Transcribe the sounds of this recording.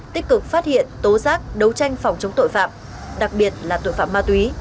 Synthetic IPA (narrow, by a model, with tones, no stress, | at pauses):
t̪i˦˥k̚kɨ˨˩k̚faː˦˥t̚hḭ˧˨ənt̪o˨˦zaː˦˥k̚ɗə˨˦wt͡ɕa˧jŋ̟fa˨˩wŋ͡mt͡ɕə˨˦wŋ͡mt̪o̰˧˨jfa̰ː˧˨m | ɗa˨˩k̚ɓi˨˩ət̚laː˨˩t̪o̰˧˨jfa̰ː˧˨maː˧t̪wi˨˦